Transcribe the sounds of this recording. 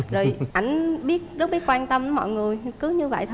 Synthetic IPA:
zo˨˩jʔa˧˩jŋ̟ɓi˦˥ət̚zə˦˥t̚ɓə˨˦˥t̚kwaː˧nt̪ə˧mʔə˨˦mɔ̰˧˨jŋɨ˨˩əjkɨ˨˦ɲɨ˧və̰˧˨jt̪ʰ

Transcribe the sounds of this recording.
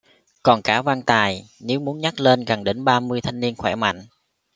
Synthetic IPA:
kɔ˨˩nkaː˨˦vaː˧ŋt̪aː˨˩jne˨˦wmu˨˦ənɲa˦˥t̚le˧nɣa˨˩ŋɗe˨˦nɓaː˧mɨ˧əjt̪ʰa˧jŋ̟ni˧ənxwɛ˧˩ma̰˧˨jŋ̟

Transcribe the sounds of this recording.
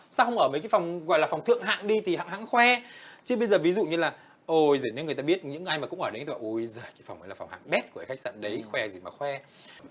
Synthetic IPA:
saː˧˥wxə˧wŋ͡mʔəː˧˩məː˨˦jkaː˨˦fa˨˩wŋ͡mɣɔ̰˧˨lːfa˨˩wŋ͡mt̪ʰɨ̰˧˨əŋɦa̰ː˧˨ŋɗi˧t̪ʰi˨˩ha̰ː˧˨ŋɦa̰ː˧˥˨ŋxwɛ˧t͡ɕɨ˨˦ɓə˧jzəː˨˩vi˨˦zṵ˧˨ɲɨ˧laː˨˩ | ʔo˧jzəː˨˧˩n˧˦nŋ˨˩jt̪aː˧ɓi˦˥ət̚ɲɨ̰˧˥ŋʔa˧jmaː˨˩kʊ̰˧˥ŋ͡mʔəː˧˩e˨˦nʰː˧˩aː˨ʔo˨˧˩jzəː˨˩kaː˨˦fa˨˩wŋ͡mʔə˨˦laː˨˩fa˨˩wŋ͡mha̰ː˧˨ŋɓɛ˦˥t̚ku˧˩kːxa˦˥k̚sa̰ː˧˨nɗə˨˦jxwɛ˧zi˧˩maː˨˩xwɛ˧

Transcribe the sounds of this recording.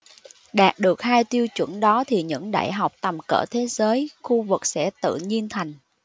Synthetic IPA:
ɗaː˨˩t̚ɗɨ˨˩ək̚haː˧jt̪i˧əwt͡ɕwə̰˧˩nɗɔ˨˦t̪ʰi˨˩ɲɨ̰˧˥ŋɗa̰ː˧˩jɦa˨˩wk͡p̚t̪ə˨˩mkə̰ː˧˩t̪ʰe˨˦zəː˨˦jxu˧vɨ˨˩k̚sɛ̰˧˥t̪ɨ̰˧˨ɲi˧ənt̪ʰa˨˩jŋ̟

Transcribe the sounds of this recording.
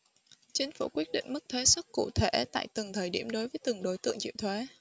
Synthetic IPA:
t͡ɕï˨˦ŋ̟fṵ˧˩kwi˦˥ət̚ɗḭ̈˧˨ŋ̟mɨ˦˥k̚t̪ʰwe˨˦swə˦˥t̚kṵ˧˨t̪ʰe˧˩t̪a̰ː˧˨jt̪ɨ˨˩ŋt̪ʰəː˨˩jɗi˧˩əmɗo˨˦jvəː˨˦jt̪ɨ˨˩ŋɗo˨˦jt̪ɨ̰˧˨əŋt͡ɕḭ˧˨wt̪ʰwe˨˦

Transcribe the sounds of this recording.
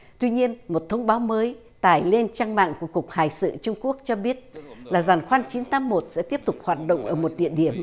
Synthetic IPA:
t̪wi˧ɲi˧ənmo˨˩t̚t̪ʰə˧wŋ͡mɓaː˨˦wməː˨˦j | t̪aː˧˩jle˧nt͡ɕaː˧ŋma̰ː˧˨ŋku˧˩əkʊ˨˩k͡p̚haː˨˩jsɨ̰˧˨t͡ɕʊ˧ŋ͡mku˦˥ək̚t͡ɕɔ˧ɓi˦˥ət̚laː˨˩zaː˨˩nxwaː˧nt͡ɕi˨˦nt̪aː˨˦mmo˨˩t̚sɛ̰˧˥t̪i˦˥əp̚t̪ʊ˨˩k͡p̚hwaː˨˩t̚ɗo̰˧˨wŋ͡mʔəː˧˩mo˨˩t̚ɗḭ˧˨əɗi˧˩əm

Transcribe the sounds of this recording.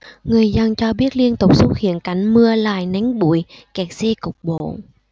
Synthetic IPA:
ŋɨ˨˩əjzə˧nt͡ɕɔ˧ɓi˦˥ət̚li˧ənt̪ʊ˨˩k͡p̚so˦˥t̚hḭ˧˨ənka˨˧˩jŋ̟mɨ˧əla̰ː˨˧˩jna˨˦ŋ̟ɓu˧˩əjkɛ˨˩k̚sɛ˧kʊ˨˩wk͡p̚ɓo̰˧˨

